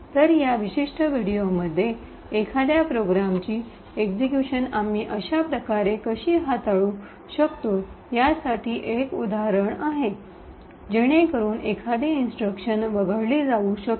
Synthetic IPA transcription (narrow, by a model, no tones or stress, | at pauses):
t̪əɾjaʋiɕiʂʈʰəʋiɽijoməd̪ʱːjeː | kʰad̪japɾoɡɾamt͡ɕiː | ekd͡zekjuɕənam̤iːʔəɕapɾəkaɾekəɕiːɦat̪aɭu | ɕəkt̪o | jasaʈʰiːʔekud̪ʱaɦɾəɳaɦe | d͡ʑeɽ̃ekəɾuːnʔekʰad̪einsʈɾəkɕənʋəɡʱəɭliːd͡zauɕək̚t̪